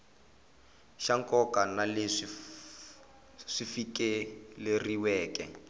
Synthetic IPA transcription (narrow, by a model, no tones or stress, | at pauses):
ʃaŋkɔkanaleʂi | ʂifikʼɛleriwɛːkɛ̰